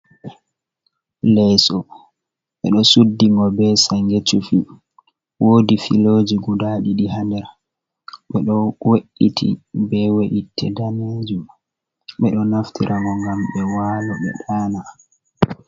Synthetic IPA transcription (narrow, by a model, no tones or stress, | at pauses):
lɛsɔ | ɓɛ̰ɗɔsudːiŋɡɔbɛsajŋɡet͡ʃːufi | woːdifḭlod͡ʒiɡudaɗiɗiɦandɛɾ | ɓɛɗɔweʔːitʰḭbɛweʔitʰːɛdaned͡ʒum | ɓɛɗɔnaftʰiɾʔaŋɡɔŋɡamɓɛwaːlɔɓɛ̰ɗaːna